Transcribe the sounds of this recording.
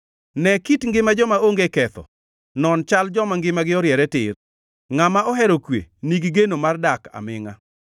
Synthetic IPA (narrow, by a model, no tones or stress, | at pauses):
nɛkitŋɡɪmad͡ʒɔmaoŋɡekɛt̪ɔ̰ | nɔnt͡ʃald͡ʒɔmaŋɡɪmaɡɪɔɾjɛɾɛtɪr | ŋamaʔɔɦɛɾokwḛniɡiɡenomardaka̰mɪŋa